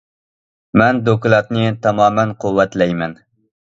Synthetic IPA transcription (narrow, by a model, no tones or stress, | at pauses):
mɛnd̪oklˠɑt̪nɨt̪ʰɑmɑːmɛnqʰuwːɛt̪lɛjmɛn